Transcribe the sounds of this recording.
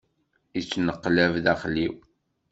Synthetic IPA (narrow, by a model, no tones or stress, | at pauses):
it͡sːnəqːlævðæχliw